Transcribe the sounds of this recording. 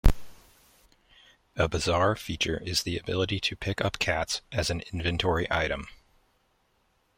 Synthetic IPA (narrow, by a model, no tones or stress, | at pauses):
əbɨzɑɹfit͡ʃə˞ʔɪzðiɨbɪlˠəɾiɾɨpʰɪkʌpkʰætsɨzn̩ɪ̃ɱvɨ̃ntʰɔɹiʔaɪɾɨ̃m